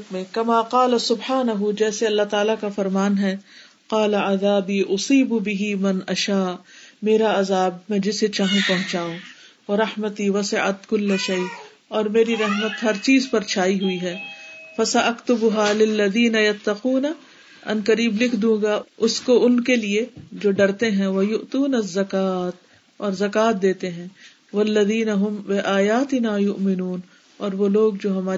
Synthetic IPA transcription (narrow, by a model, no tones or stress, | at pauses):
t̪mẽkɐmaːqɑːlɐsʊbħaːnɐɦud͡ʒɛːseɐlːat̪aːlakafɐɾmaːnɦɛː | qɑːlaaðaːbiːʔʊsiːbbɪɦimɐnɐʃaːmeːɾaɐzaːb̚mɛ̃d͡ʒɪset͡ʃaːɦẽpɐɦʊ̃t͡ʃaːõ | ɐɾɐhmət̪iːwɐsɪʕa̰t̪kʊlːʃɐj | ɔːɾmeːɾiɾɐɦmət̪ɦɐɾt͡ʃiːzpɐɾt͡ʃʰaːiɦʊiɦɛːfɐsɐʔɐkt̪ʊbʊɦaːlɪlːɐðiːnɐjɐt̪ːɐquːna | ɐ̰nkɐɾiːblɪkʰd̪ũːɡaʊskoʊnkelied͡ʒoːɖɐɾt̪eɦɛ̃ʋɐjʊʔt̪uːnɐɐzːɐkaːt̪ | ɔːɾzɐkaːt̪̚d̪eːt̪eɦɛ̃ː | wɐlːɐðiːnɐɦʊmbɪʔaːjaːt̪ɪnaːjʊʔmɪnuːn | ɔːɾʋoloːɡ̚d͡ʒoːɦɐmaː